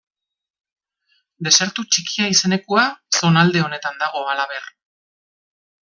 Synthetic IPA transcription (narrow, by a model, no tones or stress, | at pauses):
d̪e̞se̞ɾt̪ut͡ʃikiaise̞ne̞kuaso̞nald̪e̞o̞ne̞t̪and̪aɣ̞o̞alaβe̞r